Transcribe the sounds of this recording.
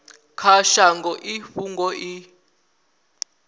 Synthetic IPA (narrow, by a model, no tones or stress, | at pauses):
kʰaʃaŋɡʱɔʔiɸuŋɡɔʔi